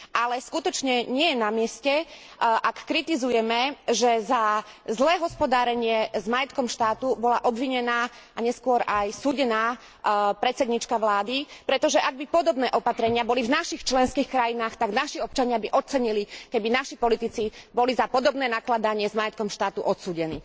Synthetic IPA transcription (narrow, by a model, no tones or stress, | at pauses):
alɛskut̪ɔt͡ʃɲɛɲɪɛjɛnamɪɛscɛ | ʔakːɾit̪izujɛmɛʒɛzazlɛːɦɔspɔd̪aːɾɛɲɪɛzmajɛt̪kɔmʃt̪aːt̪ubɔlaʔɔbʋiɲɛnaː | ʔaɲɛskʊɔɾajsuːɟɛnaː | pɾɛt̪t͡sɛd̪ɲiːt͡ʃkaʋlaːd̪ipɾɛt̪ɔʒɛʔaɡ̚bipɔd̪ɔbnɛːʔɔpat̪ɾɛɲɪabɔlivnaʃixt͡ʃlɛnskiːxkɾajinaːxt̪aɡnaʃiɔp̚t͡ʃaɲɪabiʔɔt͡sɛɲilikɛbinaʃipɔlit̪it͡sibɔlizapɔd̪ɔbnɛːnaklad̪aɲɪɛzmajɛt̪̚kɔmʃt̪aːt̪uʔɔt̪suːɟɛnḭː